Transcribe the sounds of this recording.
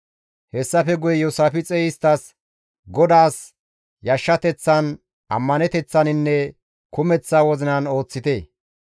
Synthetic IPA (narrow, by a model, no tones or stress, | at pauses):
hɛsːɐfɛɡʊjɛjɔsaːfɪt͡sʼɛːjɪst̪ːɐs | ɡɔd̪aːs | jɐʃːɐt̪ɛt͡sːɐn | ʔɐ̰mːɐnɛt̪ɛt͡sːɐnɪnːɛ | kʊmɛt͡sːaːwɔzɪnɐno̞ːt͡sːɪt̪eː